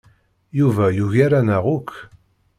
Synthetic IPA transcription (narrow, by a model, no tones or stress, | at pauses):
juvæjuʝaɾanæʁukʰː